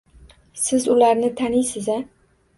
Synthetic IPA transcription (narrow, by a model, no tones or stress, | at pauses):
sɪzʊlaɾnɪt̪ʰanijsɪza